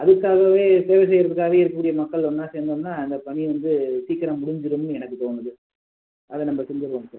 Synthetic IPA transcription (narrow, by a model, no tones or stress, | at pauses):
ʔɐðɯkːaːɣɐʋeːt̪eːʋɐs̬ɛjɐɾɐðɯkːaːɣɐʋeːɪɾɯkːɐkːuːɽɪjɐmɐkːɐɭɔnːaːseːnd̪ɐmnaːɪnd̪ɐpɐɳiʋɐnd̪ɯsiːkːɪɾɐmʊɽɪɲd͡ʒɪɾɯmnɯɛnɐkːɯt̪oːnɐðɯ | ɐðɛnɐmːbɐsɪnd̪ɪɾɯʋɐmsaːɾɾ